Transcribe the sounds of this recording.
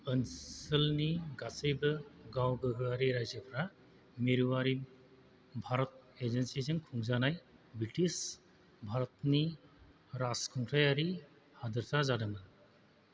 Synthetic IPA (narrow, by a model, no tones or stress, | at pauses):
ənsɯlniɡasəjbɐɡawɡɯɡɯaɾiɾajzəpʰɾa | meɾuwaɾi | bʱaɾɔt̚ezensizɯŋkʰuŋzanajbɾitis | bʱaɾɔt̚ni | ɾaskʰɔŋtʰɾajaɾi | hadɐɾsʰazadɐmɯn